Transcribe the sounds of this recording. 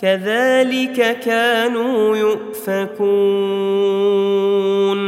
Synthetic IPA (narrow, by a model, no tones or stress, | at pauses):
kaðaːlɪkakaːnuːjʊʔ | fakuː | n